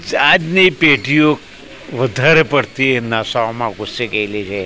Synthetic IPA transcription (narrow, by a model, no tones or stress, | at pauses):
ad͡ʒnipeʈijok | ʋəd̪ʱaɾepəɽt̪ʰienasaomãɡʊsːeɡəjlit͡ʃʰe